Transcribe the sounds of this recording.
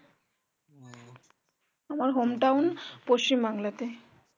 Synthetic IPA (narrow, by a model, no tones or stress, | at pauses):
amaɾɦomʈawnpoʃt͡ɕimbaŋlat̪e